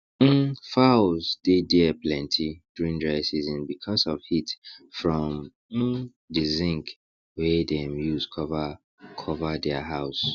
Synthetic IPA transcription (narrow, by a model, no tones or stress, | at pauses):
m̩faʊlzdedɛplɛ̃ntʰiduɹĩndɹaɪsizɔ̃nbikʰɔsɔv̥itfɹɔ̃m̩ | dɨzɪ̃ŋk | wɛdɛ̃mjuzkʰɔva | kʰɔvədɛəɦaʊs